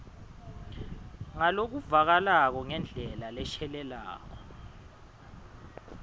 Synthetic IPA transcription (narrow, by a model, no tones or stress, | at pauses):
ŋalok̬uvak̬alak̬ɔŋɛnd͡ɮʱɛlalɛʃʰɛlɛla̰ːk̬ɔ